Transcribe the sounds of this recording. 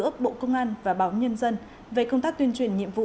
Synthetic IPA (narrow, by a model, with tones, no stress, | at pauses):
əɓo̰˧˨kə˧wŋ͡mʔaː˧nvaː˨˩ɓaː˨˦wɲə˧nzə˧n | ve˨˩kə˧wŋ͡mt̪aː˦˥k̚t̪wi˧ənt͡ɕwi˨˩ənɲḭ˧˨əmvṵ˧˨